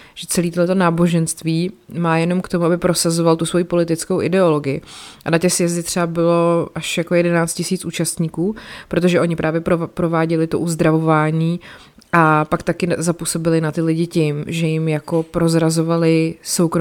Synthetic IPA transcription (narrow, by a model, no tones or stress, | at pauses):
ʒ̥ɛt͡sɛliːt̪oɦlɛt̪onaːbo̞ʒɛnst̪viːmaːjɛno̞mkt̪o̞muabɪpɾo̞sazo̞valt̪usvo̞jiːpo̞lɪt̪ɪt͡skowʔɪ̰dɛo̞lo̞ɡɪjɪʔanacɛsjɛzdɪt̪r̥ɛabɪlo̞ʔaʃjako̞jɛdɛnaːt͡st̪cɪsiːt͡sʔuːt͡ʃast̪ɲiːkuːpɾo̞t̪̬o̞ʒɛʔo̞ɲɪpɾʔaːvjɛpɾopɾo̞vaːɟɛlɪt̪oʔuzd̪ɾavo̞vaːɲiː | ʔapakt̪akɪzapuso̞bɪlɪnat̪ɪlɪɟɪcɪmʒɛjɪmjako̞pɾo̞zɾazo̞valɪso̞wkɾo